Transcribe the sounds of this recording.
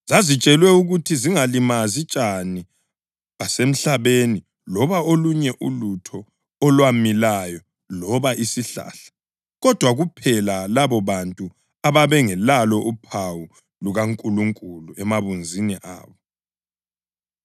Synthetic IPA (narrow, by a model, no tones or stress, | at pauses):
zazit͡ʃʼɛlwɛuɣutʰiziŋalimazit͡ʃʼani | ɣasem̩ɬaβeni | lɔβaoluɲɛʔṵlutʰɔː | lwamilajɔ | lɔβaʔisiɬa̰ːɬḁ | ɣɔd̥ʱwaɣupʰɛlalaβɔβantʼu | aβaβɛŋɛlalɔʔupʰawu | luɣaŋkʼuluŋkʼuluɛmaβund͡zʱiniʔa̰ːβɔ